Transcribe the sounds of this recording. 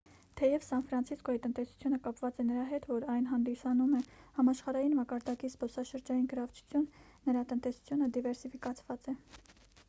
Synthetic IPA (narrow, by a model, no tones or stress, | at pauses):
t̪ʰɛjɛvsɑnfɾɑnt͡sʰiskɔit̪ənt̪ɛsu̥t͡sʰjunəkɑpvɑt͡sɛnəɾɑɦɛt̪vɔɾɑjnɦɑnd̪isɑnumɛhɑmɑʃχɑɾɑjinmɑkɑɾd̪ɑkispɔsɑʃəɾd͡ʒɑjinɡəɾɑvt͡ʃʰu̥t͡sʰjunːəɾɑt̪ənt̪ɛsu̥t͡sʰjunəd̪ivɛɾsifikɑt͡sʰvɑt͡sɛ